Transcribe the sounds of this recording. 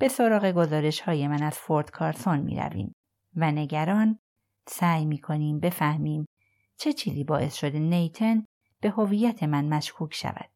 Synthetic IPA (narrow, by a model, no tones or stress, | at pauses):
b̥e̞so̞ɾɒːɣe̞ɡo̞zɒːɾe̞ʃhɒːje̞mænæz̥fo̞ɾd̪̥kʰɒːɾso̞nmḭːɾæ̰vḭːm | væne̞ɟæɾɒːn | sæːjmiːkʰo̞niːmbe̞fæhmiːm | t͡ʃʰe̞t͡ʃʰiːziːbɒːʔe̞sʃo̞d̪enejt̪ʰe̞n | b̥e̞ho̞vijːæt̪ʰe̞mænmæʃkʰuːcʰʃæ̰væ̰d̪̥